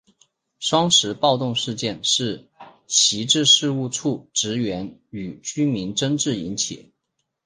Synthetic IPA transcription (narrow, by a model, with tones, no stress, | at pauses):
ʂwɑ˥ŋʂɻ̩˧˥pɑ˥˧ʊt̪ʊ˥˧ŋʂɻ̩˥˧t͡ɕjɛ˥˧nʂɻ̩˥˩ | ɕi˧˥ʈ͡ʂɻ̩˥˧ʂɻ̩˥˧u˥˧ʈ͡ʂʰu˥˩ʈ͡ʂɻ̩˧˥ɥɛ˧˥ny˨˩t͡ɕy˥mi˧˥nʈ͡ʂə˥ŋʈ͡ʂɻ̩˥˩i˧˥nt͡ɕʰḭ˨˩˦